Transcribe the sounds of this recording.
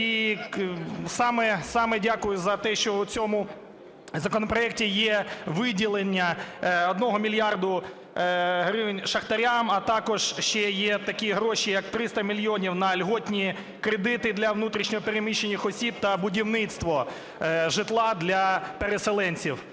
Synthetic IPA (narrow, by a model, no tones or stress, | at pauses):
i | sɑmɛsɑmɛdʲakʊjʊzɐt̪ɛʃt͡ʃɔʊt͡sʲɔmʊ | zɐkɔnɔpɾɔɛk̚tʲijɛʋɪdʲilˠenʲːɐɔd̪nɔɦɔmʲilʲjɑrd̪ʊ | ɦɾɪwnʲʃɐxt̪ɐɾʲamɐt̪ɑkɔʒʃt͡ʃɛjɛt̪ɐkʲiɦɾɔʃijɐk̚t̪ɾɪst̪ɐmʲilʲjɔnʲiwnɐlʲɦɔtʲnʲi | kɾed̪ɪt̪ɪd̪lʲɐʋnut̪ɾʲiʃnʲɔɦɔpeɾemʲiʃenʲːixɔsʲib̚t̪ɐbʊdʲiwnɪt̪st̪ʋɔ | ʒɪt̪lˠɑd̪lʲɐpeɾeselˠɛnʲt͡sʲiw